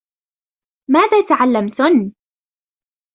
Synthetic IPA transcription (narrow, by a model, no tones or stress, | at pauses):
maːðaːt̪aʕalːamt̪ʊn